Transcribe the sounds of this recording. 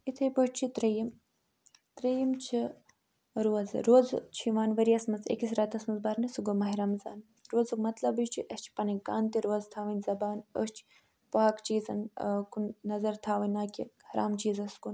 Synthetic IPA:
it̪ʰɐjpɐʂt͡ʃʰit̪ɾɐjim | t̪ɾɐjimt͡ʃʰi | ɾuɐzɾoːzt͡ʃʰiʋaːnʋɐɾiɐsmɐt͡sḛkis̬ʲɾaːt̪ɐsmɐnzbaːɾnɨsuɡomɐɦiɾɐmza̰ːn | ɾoːzɨkmɐt̪lɐbɨʃt͡ʃʰiʔɐst͡ʃʰi̥pɐnɐkaːnt̪iɾoːɐzt̪ʰaːʋɐnʲzɐbaːnə̰st͡ʃʰi̥ | pɐakt͡ʃiːzɐnkunnɐzɐɾt̪ʰaːʋɐnʲaːkʲihɐɾʔa̰ːmt͡ʃiːzɐskun

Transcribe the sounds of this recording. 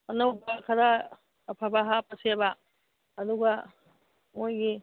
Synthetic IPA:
ɐnowbakʰɐɾaː | pʰabaɦapɐseba | ɐd̪uɡa | mojɡi

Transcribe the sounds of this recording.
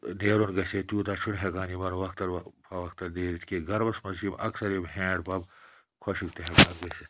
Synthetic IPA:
neːɾonɡɐseːt̪uːt̪aːt͡ʃʰunɦekaːnimɐnʋɐkt̪ɐɾpʰɐʋɐkt̪ɐɾneːɾit̪keːɡɐɾbɐsmɐsimɐ̰ksɐɾemhẽːɖpɐb | kʰoʃikt̪eɦekaːnɡɐsit̪

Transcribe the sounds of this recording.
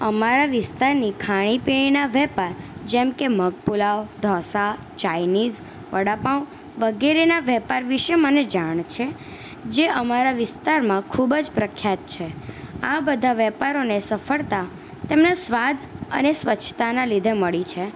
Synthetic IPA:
əmaɾaʋɪst̪aɾnikʰaɽ̃ipiɽ̃inaʋɛpaɾd͡ʒɛmkeməɡ̚pulawɖʱɔsa | t͡ʃajnid͡ʒ | ʋəɽapaw | ʋəɡeɾenaʋɛpaɾʋiʃeməned͡ʒaɳ̃t͡ʃʰe | d͡ʒeʔəmaɾaʋɪst̪aɾmãkʰubd͡ʒpɾəkʰːjat̪̚t͡ʃʰeabəd̪ʱaʋɛpaɾonesəfəɭt̪a | t̪emnasʋad̪ʱə̰nesʋət͡ʃʰːt̪anãlid̪ʱeməɭit͡ʃʰe

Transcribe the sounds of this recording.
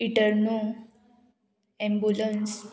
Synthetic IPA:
iʈəɾno | ɛ̃mbuləns

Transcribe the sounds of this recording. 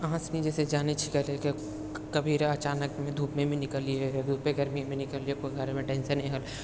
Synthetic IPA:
ɐɦãsenid͡ʒesed͡ʒaːnit͡ʃʰikɐɾeke | kɐbʱiɾɐt͡ʃaːnəkmẽd̪ʱuːpmẽmẽnɪkəliedd̪ʱuːpeɡɐɾmimẽnɪkəliekoɡʱɐɾmẽʈẽːnsənĩɦəl

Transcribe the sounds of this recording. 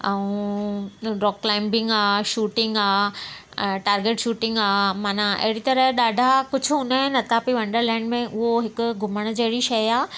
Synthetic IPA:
ɛũ | ɾɔːkːlaːɪ̃mbɪ̃ŋɡaːʃuːʈɪ̃ŋɡaː | ʈaːɾɡeːʈʃuːʈɪ̃ŋɡaːmaːnaɐ̰ɦɪɽit̪ɐɾəɗaːɖʱakʊd͡ʑʱʊɦʊnaɦɪnɐt̪ʰapiʋɐ̃ɳɖəɾlɛ̃ːɳɖmẽʔʊɦoɦɪkʊ̆ɡʱʊməɽ̃ə̆d͡ʑɐɦɪɽiʃɐjaː

